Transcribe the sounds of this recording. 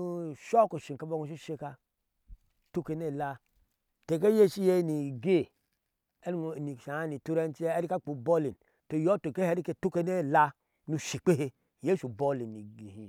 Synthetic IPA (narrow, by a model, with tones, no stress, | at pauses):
u˦ʃo˦ku˨ʃi˨ka˨bo˦ŋu˨ʃ̬i˦ʃe˦ka˦ | tu˦ke˨ne˦˨la˦ | te˨k̬e˦je˦ʃi˦je˦˨ni˨ɡe˦˨ | e˦ɾni˨ʃa˨a˦ni˨tu˦ɾe˦n˦ti˦e˦ɾi˦ka˦k͡pu˨bo˦li˨n | to˨jo˦to˨ke˦he˦ɾi˦ke˦tu˦ke˦ne˦˨la˦ | nu˨ʃi˨k͡pe˦he˦ | je˦ʃu˨bo˦li˨nːi˨i˨hi˨